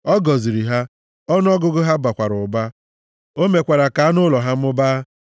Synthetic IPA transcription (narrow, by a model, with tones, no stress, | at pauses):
ɔ˦ɡɔ˨zi˨ɾi˨ɦa˦ | ɔ˦n˦ɔ˦ɡʊ˦ɡʊ˦ɦa˦ba˨kʷa˨ɾʊ˨ba˦ | o˦me˨kʷa˨ɾa˨ka˨a˦nʊ˦lɔ˨ɦa˦m̩˦ʊ˦baː˦